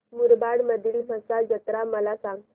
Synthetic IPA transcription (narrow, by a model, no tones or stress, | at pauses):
muɾbaɽməd̪ʱiːlməsad͡ʑət̪ɾaməlasaŋɡ